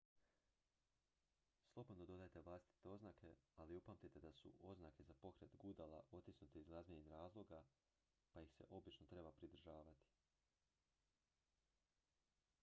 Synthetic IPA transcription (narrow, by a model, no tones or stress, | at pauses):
slˠo̞bod̪nod̪o̞d̪ajet̪eʋlˠaːst̪i̥t̪eo̞znaːkʰe̞aliupamt̪it̪e̞d̪asṵʔo̞znaːke̞zapo̞kɾet̪ɡud̪alˠaʔo̞t̪isnut̪eizɡɾazmeɲenɾaːzlˠo̞ɡa | paixse̞̰ʔo̞bit͡ʃnot̪ɾe̞bapɾid̪r̩ʒaːʋat̪i̥